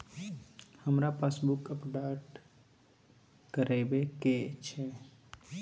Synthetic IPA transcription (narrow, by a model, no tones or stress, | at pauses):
həmɾapasbukəpɖaʈ | kəɾɛbeket͡ʃʰɛ